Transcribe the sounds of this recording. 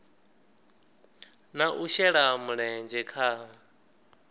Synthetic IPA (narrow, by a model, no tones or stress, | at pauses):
naʔuʃɛɺamuɺɛnd͡ʒɛkʰa